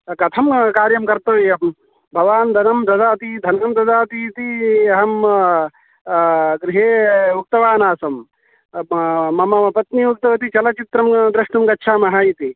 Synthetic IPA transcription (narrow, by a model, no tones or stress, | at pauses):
kɐt̪ʰɐmkaːɾjɐmkɐɾt̪ɐʋejɐm | bʱɐʋaːnd̪ʱɐnɐmd̪ʱɐd̪aːt̪id̪ʱɐnɐmd̪ʱɐd̪aːt̪it̪iɐɦɐm | ɡɾiɦeːuk̚t̪ɐʋaːnaːsɐm | ɐmɐmɐpɐt̪niuk̚t̪ɐʋɐt̪it͡ʃɐlɐt͡ʃit̪ɾɐmd̪ɾɐʂnɐmkɐtːʃʰaːmɐɦaːjit̪i